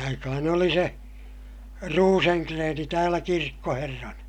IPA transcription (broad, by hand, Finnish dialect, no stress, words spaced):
ɑikɑhɑn oli se ruːseŋkreːni tæːlæ kirkːoherːɑnɑ